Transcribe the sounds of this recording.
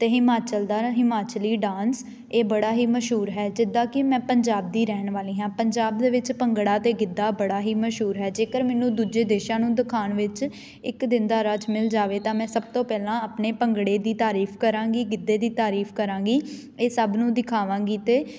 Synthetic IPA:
t̪eːɦɪmaːt͡ʃəld̪aːɦɪmaːt͡ʃliːɖãːns | eːbəɽaːɦiːməʃɦuːɾɦɛːd͡ʒɪd̪aːkɪmɛ̃ːpəɲd͡ʒaːb̚d̪iːɾɛːnʋaːliːɦãːpəɲd͡ʒaːb̚d̪eːʋɪt͡ʃpəŋɡɽaːt̪eːɡɪd̪ːaːbəɽaːɦiːməʃɦuːɾɦɛːd͡ʒeːkəɾmɛːnũːd̪uːd͡ʒeːd̪eːʃãːnũːd̪ɪkʰaːnʋɪt͡ʃ | ɪkd̪ɪnd̪aːɾəd͡ʒmɪld͡ʒaːʋeːt̪ãːmɛ̃ːsəb̚t̪õːpɛːlãːəpneːpəŋɡɽeːd̪iːt̪aːɾiːpʰkəɾãːɡiːɡɪd̪ːeːd̪iːt̪aːɾiːpʰkəɾãːɡiː | eːsəbnũːd̪ɪkʰaːʋãːɡiːt̪eː

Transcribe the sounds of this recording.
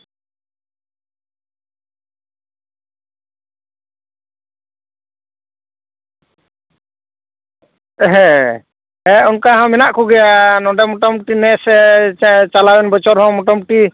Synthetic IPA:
ɦɛ̃ | ɛɔnkaɦãmɛnaʔkuɡɛjanɔɖɛmɔʈɔmʈinɛsɛ | t͡ʃalawɛnbɔt͡ʃɔɾɦɔ̃mɔʈɔmʈi

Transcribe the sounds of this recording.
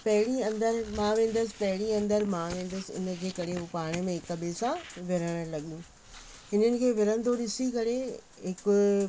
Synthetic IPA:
pɐɦɪɽ̃iɐ̃nd̪əɾmãːʋẽːn̆d̪əsɪ̥̆pɐɦɪɽ̃ĩɐ̃nd̪əɾmãʋẽːn̆d̪əsɪʊ̰nə̆kʰeːkɐɽeɦupaːɽ̃əmẽɦɪkɐbesãʋɪɾəɽ̃əlɐɠijũ | ɦɪnənɪ̆kʰeːʋɪɾə̃nd̪oɗɪsikɐɾe | ɦɪkʊ

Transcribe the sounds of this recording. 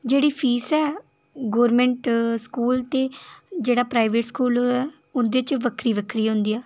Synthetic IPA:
d͡ʒeːɽiːpʰiːsɛː | ɡoːɾmɛ̃ːɳʈskuːlt̪eːd͡ʒeːɽaːpɾaːɪʋeːʈskuːlɛː | ʊnd̪eːt͡ʃʋəkʰɾiːʋəkʰɾiːɦõnd̪iːɛː

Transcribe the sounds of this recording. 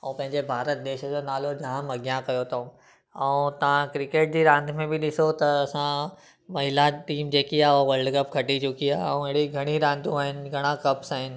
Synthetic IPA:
ɛ̃ːpɐ̃ɦɪ̃ɲd͡ʑebʱaːɾət̪̚d̪eːʃəd͡ʑonaːlod͡ʑɐɦãmɐɡjãkɐjot̪ʰõ | ɛũt̪ɐʋ̤ãkɾɪkeːʈ̚d͡ʑiɾãːnd̪ʱmẽbɪɗɪsot̪ɐːsã | mɐɦɪlaʈiːmd͡ʑeːkiaːɦoʋɐɾɖkɐp̚kʰɐʈit͡ɕʊkiaːɦɛ̃ũeɦɽiɡʱɐɽ̃iɾãːnd̪ʱũaːɦɪnɪ̆ɡʱɐɽ̃ãkɐpsaːɦɪnɪ̆

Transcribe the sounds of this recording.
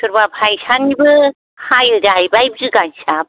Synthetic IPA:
tʰɯɾbapʰajsʰanibɯ | hajɯdajbajbɯzɯɡansap̚

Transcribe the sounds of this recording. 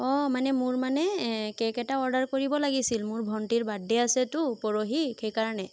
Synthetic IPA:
ɔ̃manɛmʊɹmanɛkɛkɛtaɔɹdaɹkoɹibɔlaɡisilmʊɹbʱɔntiɹbadːɛasɛtʊpɔɹoɦikejkaɹanɛ

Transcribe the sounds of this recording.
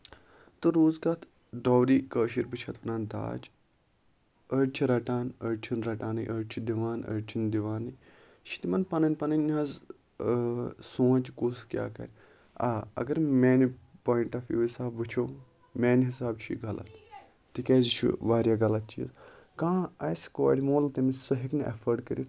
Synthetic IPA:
t̪ɨɾoːzɡaːt̪ʰ | ɖoːwɾiːkəːʃiɾbɨt͡ʃʰɐt̪ʰʋɐnaːnd̪a̰ːd͡ʒ | əɽt͡ʃʰiɾɐʈaːnəɽt͡ʃʰinɾɐʈaːnɨ̰jʔəɽt͡ʃʰid̪iʋaːnə̰ɽt͡ʃʰind̪iʋaːnɨ | ʃʰi̥t̪imɐnpɐnɐnʲpɐnɐnʲːɐz | sõːt͡ʃkuskʲja̰ːkɐ̰ɾʲ | a̰ːɐ̰ɡɐɾmeːnipoːjiɳʈaːfjṵːisaːbʋɨt͡ʃʰoː | mɛːnɦisaːbt͡ʃʰuɡɐla̰t̪ | t̪ikʲeːzt͡ʃʰṵʋaːɾjaːɡɐlɐt̪̚t͡ʃḭːz | kãːɐskoːɽʲimoːlt̪ɐmisɨɦiknɐ̰fʰəɾɖkəɾḭt̪

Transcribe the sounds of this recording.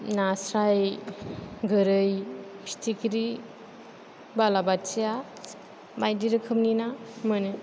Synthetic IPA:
nasɾaj | ɡɯɾɯjpʰi̥tʰikʰɾi | balabatsija | majdiɾɯkʰɯmninamɯnɯ

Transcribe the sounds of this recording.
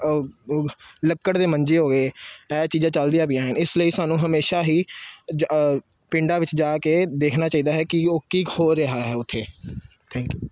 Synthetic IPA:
ləkːəɽd̪eːməɲd͡ʒeːɦoːɡeːɛːt͡ʃiːd͡ʒãːt͡ʃəld̪ijaːbiãːɦənɪsləiːsaːnũːɦəmeːʃaːɦiː | pɪ̃ɳɖaːʋɪt͡ʃd͡ʒaːkeːd̪eːkʰnaːt͡ʃaːiːd̪aːɦɛːkɪoːkiːkhoːɾəɦaːɦɛːʊt̪ʰːeː | t̪ʰɛ̃ːŋkjuː

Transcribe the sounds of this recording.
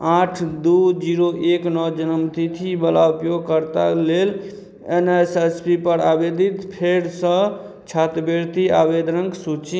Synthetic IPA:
aʈʰd̪ud͡ʒiɾoʔeknɔd͡ʒənəmt̪it̪ʰibəlaupjoɡ̚kəɾt̪alel | enesespipəɾabed̪it̪pʰeɾsə̃ | t͡ʃʰat̪beɾt̪iabed̪ɾəŋksut͡ʃi

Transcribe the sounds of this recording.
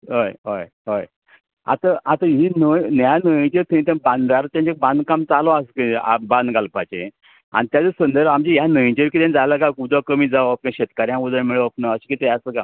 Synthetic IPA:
ɦəjɦəj | ɦəj | a̰t̪aʔat̪aɦinənjanəĩt͡ɕeɾt̪ʰəĩt̪abãnd̪aɾt̪jãɲt͡ɕek̚bãnd̪kamt͡salɔasəkəa̰bãnd̪ɡalpat͡ɕḛ̃ | a̰ñit̪jat͡səsənd̪əɾamt͡ɕiɦjanəĩt͡ɕeɾkit̪ẽnd͡zaləkakud̪ɔkəmiːd͡zaʋap̚kjãɕet̪kaɾjãʋəd̪əmeɭəəpnaəɕi̥kit̪ɛasəka̰

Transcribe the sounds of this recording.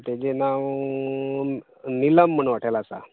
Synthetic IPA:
t̪ed͡ʑenaʋ | niləm̤ːəɳʋaʈʰajlaːsa̰

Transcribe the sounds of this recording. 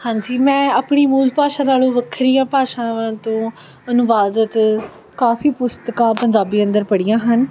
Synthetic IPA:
hãːɲd͡ʒiːmɛ̃ːaːpɳiːmuːlpaːʃãːnaːlõːʋəkʰɾijãːpaːʃãːʋãːt̪õː | ənʊʋaːd̪ət̪ | kaːfiːpʊst̪əkãːpəɲd͡ʒaːbiːənd̪əɾpəɽijãːɦən

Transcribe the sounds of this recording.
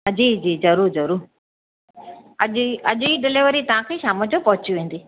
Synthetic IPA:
d͡ʑiːd͡ʑiːzɐɾuːɾzɐɾuːɾ | ɐʄɐʄiɖɪleʋəɾit̪ɐʋ̤ãkʰeːʃaːmə̃d͡ʑopɐɦʊt͡ɕiʋẽːn̆d̪iː

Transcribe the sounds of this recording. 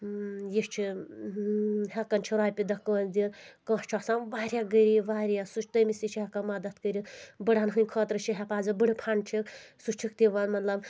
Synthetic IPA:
jiʃt͡ʃʰi | ɦɐkɐnt͡ʃʰiɾaːjpʲid̪ɐkːəːnd̪ikãːʃt͡ʃʰɔsãnʋaːɾʲjaɡəɾiʋaːɾjasut͡ʃʰt̪əmisit͡ʃʰiɦɐkɐmɐd̪ɐt̪kəɾibɨɽanɦɨnʲkʰɔːt̪ɾɨt͡ʃʰiɦɛpaːzɨbɨɽɨpʰaɳt͡ʃʰiksut͡ʃʰik̚t̪ʲiʋɐnmɐt̪lɐb

